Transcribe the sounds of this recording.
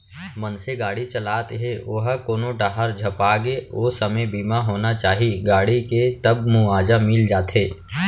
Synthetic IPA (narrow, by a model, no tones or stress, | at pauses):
mənseɡaːɽit͡ʃəlaːt̪ɦeoɦkoːnoɖaɦəɾd͡ʒʱɐpaːɡeoːsəməjbiːmaɦoːnat͡ʃaːɦiɡaːɽiket̪əbmũaːd͡ʒamɪld͡ʒaːt̪ɦeː